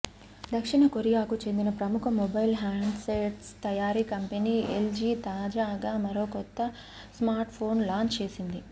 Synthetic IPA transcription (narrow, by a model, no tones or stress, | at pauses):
d̪ɐkʂiɳɐkoɾijaːkut͡ʃe̞nd̪inɐpɾɐmukʰɐmɔbɐjlɦaːɳɖseʈst̪ɐjaːɾiːkɐmpeniːeld͡ʒiːt̪aːd͡ʒaːɡaːmɐɾoːkɔt̪ːɐ | smaːɾʈpʰo̞ːnlaːɲt͡ʃt͡ʃe̞ːsind̪i